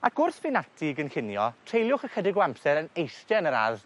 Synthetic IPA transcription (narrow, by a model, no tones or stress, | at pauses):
akʊrθvɪnatʰɪɡənkɪnjɔtʰr̥ejlˠjʊχəkʰədɪɡɔampsɛɾənejstɛnəɾa̰ð